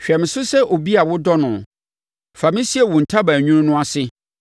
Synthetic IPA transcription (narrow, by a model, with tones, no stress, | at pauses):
ɕᶣɛ˨m̃˨sʊ˦sɛ˦ʔo˨bi˦a˨wʊ˦dɔ˦nʊ̃˨ | fa˨mĩ˦si˦ɛ˨wʊ̃˨n̩˨tʰa˦bæ˨ɲᶣũ˦nʊ̃˦nʊ̃˦a˨sɪ˦